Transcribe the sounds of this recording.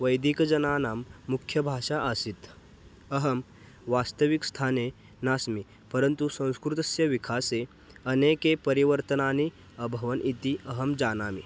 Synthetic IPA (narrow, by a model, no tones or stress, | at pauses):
ʋɐjd̪ikd͡ʒɐnaːnaːmːukʰːjɐbʱaːʂaʔəsit̪ | ɐɦɐm | ʋaːst̪əʋikst̪ʰaːne | naːsmi | pɐɾənt̪usɐ̃w̃skɾut̪ɐsjɐʋikʰaːse | ɐneːkepɐɾiʋəɾt̪ənaːni | əbʱɐʋənʔit̪iɐɦɐmd͡ʒaːnaːmḭ